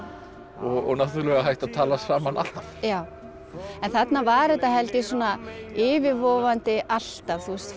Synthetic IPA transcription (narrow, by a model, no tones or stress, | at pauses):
ɔɣɔ̰ɣnaht̪ʏɾlɛɣaɦajht̪aðt̪ʰaːlasaːmana̰lavjaːw | ɛnθat̪navaːɾɪɛt̪aɦɛlt̪ɪsɔːnaɪːvɪɾvɔːvant̪ɪʔal̥t̪avθuɛst̪